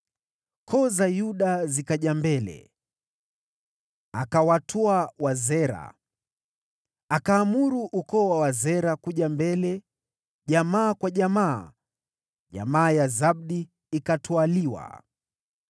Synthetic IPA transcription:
kʰɔzajuɗazikaʄambɛlɛ̰ | akawatʰɔawazɛɾa̰ | akaːmuɾuʔukɔːwawazɛɾakuʄambɛlɛ | ʄamaːkwaʄama̰ː | ʄa̰maːjazab̚ɗi | ikatʰualiwa̰

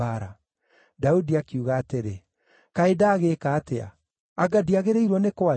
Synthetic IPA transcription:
aɾa | daudiakiuɣaːteɾe | kaedaːɣeːkaːtea̰ː | ɡadiaɣeɾeiɾwɔnekwa

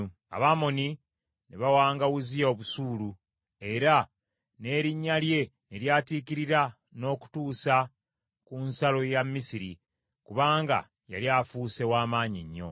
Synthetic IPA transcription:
a̰βaːmo̞ni | neβawaːŋɡaɣuzijaoβusuːlu | e̞ɾa | ne̞ːɾiɲːalje̞neljaːtikiɾiɾa | no̞ːku̥tuːsa | kunsalo̞jamːisiɾi | kuβaːŋɡa̰ | ja̰ljaːfuːse̞waːmaːɲiɲːo̞̰

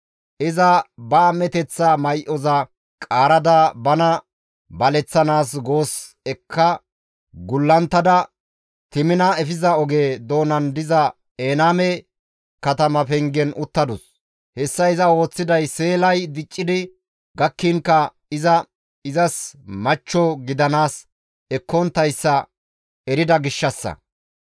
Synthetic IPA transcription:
ʔɪzɐbaːmɛt̪ɛt͡sːamɐjʔɔzɐ | kʼaːɾɐd̪abɐnɐ | bɐlɛt͡sːɐnaːsɡo̞ːs | ɛkʰːɐ | ɡʊlːɐnt̪ːɐd̪ɐ | t̪ɪmɪnɐɛfɪzɐɔɡeːd̪o̞ːnɐnd̪ɪzɐ | eːnaːmɛ | kɐt̪ɐmɐfɛŋɡɛnʔʊt̪ːɐd̪ʊs | hɛsːɐɪzɐo̞ːt͡sːɪd̪ɐjse̞ːlɐjd̪ɪt͡ʃʼːɪd̪ɪ | ɡɐkːɪŋkːɐ | ɪzɐ | ɪzɐsmɐt͡ʃːɔɡɪd̪ɐnaːs | ɛkːɔnt̪ːɐjsːɐ | ɛɾɪd̪ɐɡɪʃːɐsːɐ̰

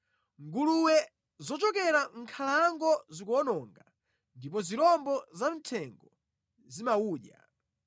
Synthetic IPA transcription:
ŋɡuluwɛ | zɔt͡ʃɔkɛɾaŋ̩kʰalaŋɡɔzikɔnɔŋɡa | ndip̬ɔziɾɔmbɔzam̩tʰɛŋɡɔ | zimauːɗja̰

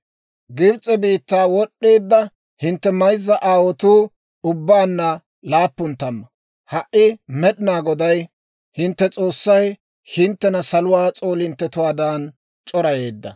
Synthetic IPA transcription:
ɡɪbt͡sʼɛbiːt̪ːaːwɔɗːe̞ːd̪ːɐ | hɪnt̪ːɛmɐjzːɐʔaːwɔt̪uː | ʊbːaːnːɐ | laːpːʊnt̪ːɐmːɐ | hɐʔɪmɛɗɪnaːɡɔd̪ɐj | hɪnt̪ːɛt͡sʼo̞ːsːɐj | hɪnt̪ːɛnɐsɐlʊwaːt͡sʼo̞ːlɪnt̪ːɛt̪ʊwaːd̪aːn | t͡ʃʼɔɾɐje̞ːd̪ːɐ̰

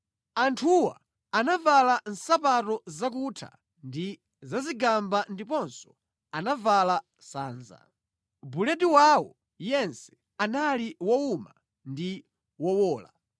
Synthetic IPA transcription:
antʰuwaː | navalan̩sapatɔzak̬utʰa̰ | ndi | zaziɡambandipɔnsɔ̥ | anavala | saːnza̰ | bulɛdiwawɔ̰ | jɛnsɛ̥ | analiwɔuma | ndi | wɔwɔːla

